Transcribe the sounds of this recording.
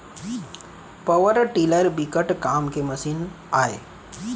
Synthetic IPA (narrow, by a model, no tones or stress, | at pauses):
pəʋəɾʈiːləɾbikəʈkaːmkemɐsiːn | aːḛ